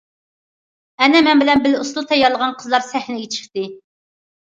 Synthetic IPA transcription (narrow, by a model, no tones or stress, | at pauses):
ɛnɛmɛnbɪlɛnbɪluslˠt̪ʰɛjːɑɾlˠəʁɑnqʰəzlˠɑɾsɛhnɪjet͡ʃʰɪ̥χt̪ɨ